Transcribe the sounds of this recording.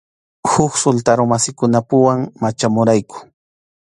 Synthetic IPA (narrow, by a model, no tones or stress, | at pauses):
hʊksʊlt̪aɾomasɪkʊnapʊwaŋmat͡ʃamʊɾajkʊ̥